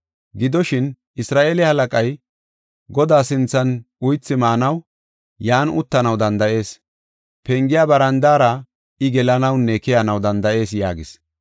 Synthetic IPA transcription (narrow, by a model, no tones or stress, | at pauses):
ɡɪd̪ɔʃɪn | ɪsɾaːʔeːlɛhɐlɐkʼɐj | ɡɔd̪aːsɪnt͡sːɐnʊjt͡sːɪmaːnɐw | jaːnʊt̪ːɐnɐwd̪ɐnd̪ɐʔe̞ːs | pɛŋɡɪjaːbɐɾɐnd̪aːɾɐ | ɪɡɛlɐnɐwnɛkɪjanɐwd̪ɐnd̪ɐʔe̞ːs̬ja̰ːɡɪs